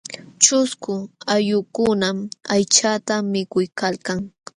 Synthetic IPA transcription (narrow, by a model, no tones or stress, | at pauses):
t͡ʃʊskʊajʊkʊnamajt͡ʃat̪amɪkʊjkalkaŋ